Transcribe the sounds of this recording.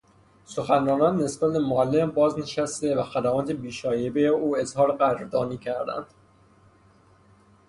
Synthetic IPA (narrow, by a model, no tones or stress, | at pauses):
soxænɾɒːnɒːnːe̞sbæt̪̚bemoælːembɒːzne̞ʃæst̪e̞væxæd̪æmɒːt̪ʰebiːʃɒːjebejeuːe̞zhɒːɾeɣæɾɾd̪ɒːniːcʰæɾd̪æ̰nd̪̥